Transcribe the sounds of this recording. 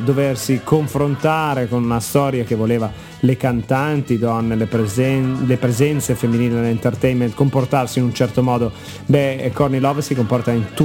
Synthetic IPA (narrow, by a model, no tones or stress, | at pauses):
d̪oversikoɱfɾont̪aːɾekonunast̪ɔːɾjakevːoleːva | lekant̪ant̪id̪ɔnːelep | lepɾezɛnt̪sefemːiniːled̪elent̪ert̪ɛjment̪komport̪arsiːnunt͡ʃɛrt̪omɔːd̪o | bɛkornilɔːvsikompɔrt̪aint̪u